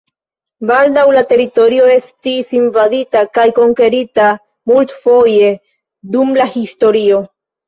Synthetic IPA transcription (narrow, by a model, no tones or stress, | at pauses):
baldawlate̞ɾito̞ɾio̞e̞stisinvaditakajko̞ŋke̞ɾita | multfo̞je̞ | dumlahisto̞ɾio̞